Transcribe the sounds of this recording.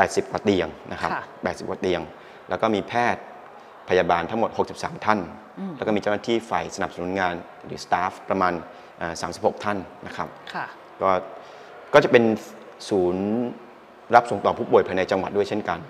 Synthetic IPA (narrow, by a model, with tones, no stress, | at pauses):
pɛː˨˩t̪̚si˨˩p̚kwaː˨˧t̪i˧əŋnʔa̰˦˥kʰa˦ppɛː˨˩t̪̚si˨˩p̚ka˨˧t̪i˧əŋ | lɛ̰ː˦˥wkɔː˥˩miː˧pʰɛː˥˩t̪̚ | pʰa˧jaː˧baː˧nt̪ʰa˦˥ŋmo˨˩t̪̚ho˨˩k̚si˨p̚saː˩˦mt̪ʰa˥˩n | ɛː˧˦˥kːmiː˧a˥˩naː˥t̪ʰiː˥˩fa˨˩jsa˧na˨˩p̚sa˧nu˩˦nŋaː˧n | ɾɯ̰ː˩˦st̪aː˦˥fpːɾa˧maː˧n | ʔaː˨˩saː˩˦si˨˩p̚ho˨˩k̚t̪ʰa˥˩nna̰˦˥kʰa˦˥p̚ʰ | kɔː˥˩ | kɔː˥˩t͡ɕa˨˩pe˧n | suː˩˦n | ɾa˦˥p̚so˨˩˦ŋt̪ɔː˨˩pʰuː˥˩pu˨˩jpʰa˧jna˧jt͡ɕa˧ŋwa˨˩t̪̚du˥˩əjt͡ɕʰe˥˩nka˧n